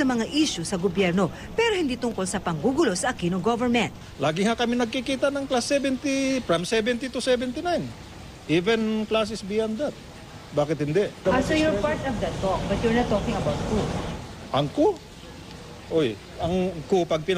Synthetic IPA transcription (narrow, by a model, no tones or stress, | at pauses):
ɐmɐŋaʔiʃʊsɐɡobjɛɾno̞ | pɛɾo̞hɪnd̪iːt̪ʊŋko̞lsɐpɐŋɡuːɡʊlo̞sɐʔɐkinoɡovɛɹmɛnt̪̚laːɡɪŋakɐmɪnɐɡ̚kikiːt̪ɐnɐŋklasːɛbɛnt̪ipɹamsɛbɛnt̪it̪usɛvɛnt̪ɪnajn | ʔivɛnklas̬ɪsbiːand̪ɐt̪̚ | baːkɪt̪̚hɪnd̪ɛʔɐsojoɹpaɹt̪ɔvd̪ɐt̪ːok̚bɐt̪jɔɹnɐt̪oːkɪŋɐbawt̪̚kuʔɐŋko | ʔoj | ɐŋkopɐɡ̚pɪn